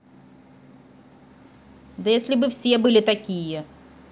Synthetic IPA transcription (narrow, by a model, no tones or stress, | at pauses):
d̪ɐjesʲlʲɪbɨfsʲebɨlʲɪt̪ɐkʲijə